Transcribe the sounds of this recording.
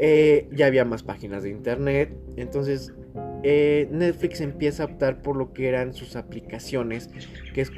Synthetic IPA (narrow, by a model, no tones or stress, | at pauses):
eʝaːβ̞iamaspaxinazðeint̪e̞ɾne̞t̪e̞nt̪o̞ns̬e̞s | ene̞t̪flikse̞mpje̞saːop̚t̪aɾpo̞ɾlo̞kee̞ɾansusaplikasjo̞ne̞skees